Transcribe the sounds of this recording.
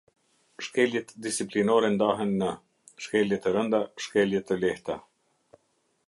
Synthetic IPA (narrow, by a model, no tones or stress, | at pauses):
ʃkɛljɛt̪d̪isiplinɔɾɛnd̪aɦənːə | ʃkɛljɛt̪əɾənd̪aʃkɛljɛt̪əlɛht̪a